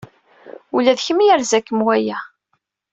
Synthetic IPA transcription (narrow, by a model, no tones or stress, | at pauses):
ulæðçəmjæɾzækːəmwæjæ